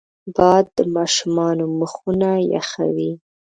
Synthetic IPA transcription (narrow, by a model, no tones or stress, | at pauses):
bɑd̪ːəmɑʃumɑnoməxunaja̰xa̰wi